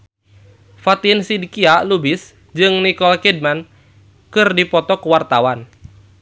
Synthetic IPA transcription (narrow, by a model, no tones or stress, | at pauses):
fat̪insidikialubɪs | d͡ʒɨŋnikɔlkɛd̚man | kɨrdipɔt̪ɔkuwart̪awan